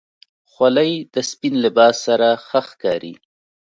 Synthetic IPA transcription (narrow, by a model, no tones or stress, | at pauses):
xwalajd̪əspinlɪbɑːsːaɾaxəxkɑːɾḭ